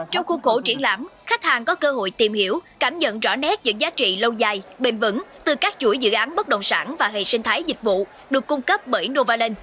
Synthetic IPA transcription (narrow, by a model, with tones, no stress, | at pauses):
t͡ɕɔ˧wŋ͡mxu˧xo˧˩t͡ɕi˧˩ənla̰ː˧˥mxa˦˥k̚haː˨˩ŋkɔ˨˦kəː˧ɦo̰˧˨jt̪i˨˩mhi˧˩əwkaː˧˩mɲə̰˧˨nzɔ̰˧˥nɛ˦˥t̚ɲɨ̰˧˥ŋzaː˨˦t͡ɕḭ˧˨lə˧wzaː˧˩jɓe˧˩nvɨ̰˧˥ŋt̪ɨ˨˩kaː˦˥k̚t͡ɕu˧˩əjzɨ̰˧˨ʔaː˨˦nɓə˦˥t̚ɗə̰˧˨wŋ͡msaː˧˩nvaː˨˩ɦe˨˩sï˧ŋt̪ʰaː˨˦jzi˨˩k̟̚vṵ˧˨ | ɗɨ˨˩əkːʊ˧ŋ͡mkə˦˥p̚ɓəː˧˩jno˧vaː˧le˧n